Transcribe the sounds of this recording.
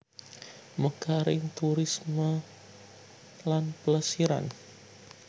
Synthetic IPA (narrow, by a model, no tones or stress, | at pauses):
məkaɾɪŋt̪uɾɪsmə | lanpələsiɾa̰n